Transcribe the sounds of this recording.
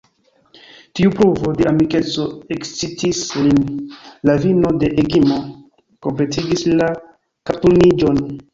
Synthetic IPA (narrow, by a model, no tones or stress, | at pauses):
tiupɾuvo̞de̞ʔamike̞t͡so̞ekt͡sitislinlavino̞de̞ʔeɡimo̞ | ko̞mple̞tʰiɡisla | katulnid͡ʒo̞n